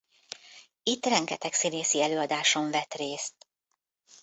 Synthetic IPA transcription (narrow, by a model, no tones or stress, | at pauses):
it̪ːrɛŋɡɛt̪ɛksineːsiɛløːɒd̪aːʃo̞ɱvɛt̪reːst̪